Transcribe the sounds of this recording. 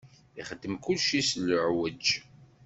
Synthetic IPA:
iχəd̪ːəmkulʃisləʕwəd͡ʒ

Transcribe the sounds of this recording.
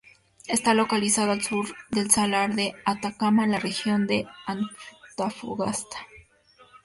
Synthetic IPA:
e̞st̪alo̞kalisaðoalsuɾðe̞lsalaɾðe̞at̪akamaenlare̞xjo̞nd̪e̞ant̪afṵɣast̪ḁ

